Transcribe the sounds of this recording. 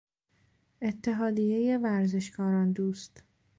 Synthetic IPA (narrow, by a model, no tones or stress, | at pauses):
e̞t̪ʰːe̞ɦɒːd̪ije̞je̞væɾze̞ʃkʰɒːɾɒːnd̪uːst̪